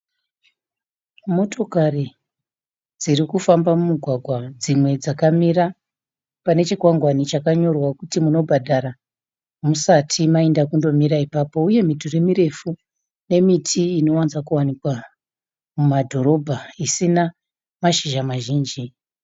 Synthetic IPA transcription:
mo̞tʰo̞kari | d͡zirikufambamumuɡʱwaɡʱwad͡zimwe̞d͡zakamira | pane̞t͡ʃikwaŋɡwanit͡ʃakaɲo̞rwakutimuno̞bʱadʱaɾa | musatʰimaendakundo̞miɾaipaːpo̞uje̞mituremiɾe̞fu | ne̞mitʰiːno̞wanzakuwanikwa | mumadʱo̞ɾo̞bʱaisina | maʃiʒamaʒiːnd͡ʒi

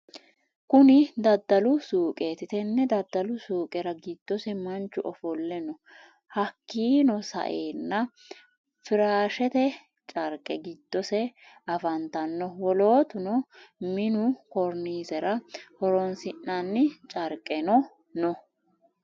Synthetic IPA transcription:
kʊnɪd̪ɐd̪ːɐlʊsuːkʼeːt̪ɪt̪ɛnːɛd̪ɐd̪ːɐlʊsuːkʼɛɾɐɡɪd̪̥ːɔsɛmɐnt͡ʃːʊʔɔfɔlːɛnɔ | hɐkːiːnɔsɐ̰ʔeːnːɐ | fɪɾaːʃɛt̪ɛ | t͡ʃʼɐɾkʼɛɡɪd̪̥ːɔsɛ | ɐfɐnt̪ɐnːɔwɔlo̞ːt̪ʊnɔmɪnʊkɔɾniːzɛɾɐhɔɾɔnsɪnːɐnːɪt͡ʃʼɐɾkʼːɛnɔ | nɔ

